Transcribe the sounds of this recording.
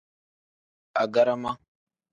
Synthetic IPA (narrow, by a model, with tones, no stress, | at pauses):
a˨ɡa˦ɾa˦ma˦